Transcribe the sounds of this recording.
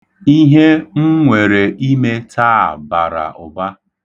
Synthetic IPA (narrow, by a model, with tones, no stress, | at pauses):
i˦ɦe˦ŋ̩˦ŋʷe˨ɾe˨ʔi˦me˦tʰa˦˨ba̰˨ɾa̰˨ʊ̰˨ba˦